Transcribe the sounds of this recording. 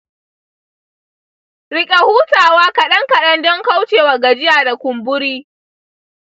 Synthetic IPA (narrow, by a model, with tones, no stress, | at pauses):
ɽɪ˦kʲʼe˨huː˦taː˨waː˦kɐ˨ɗɐ˦ŋkɐ˨ɗɐ˦ndɔ˦ŋka˦wt͡ʃeː˨wa˨ɡa˨d͡ʒɪ˦jaː˨da˨kʷʊ˨mbʊ˦ɾiː˦